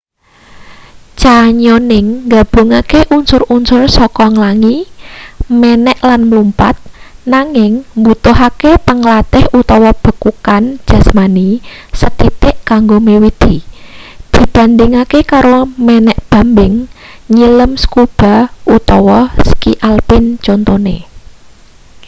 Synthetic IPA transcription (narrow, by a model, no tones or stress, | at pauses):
t͡ʃaɲonɪŋɡab̥o̤ŋakeʔunsʊrunsʊrsɔkɔŋlaŋi | mɛnɛʔlanmlumpa̰t̪̚naŋɪŋmbut̪ʊɦakepəŋlat̪ɪhut̪ɔwɔb̥ə̤kukan̥d͡ʒ̥a̤smanisət̪it̪ɪʔkaŋɡomewid̪̥i | d̪̥i̤b̥a̤nd̪ɪŋakekaɾomɛnɛʔb̥a̤mbɪŋɲiləmskub̥a̤ʔut̪ɔwɔsə̥kḭʔalpɪnt͡ʃont̪onḛ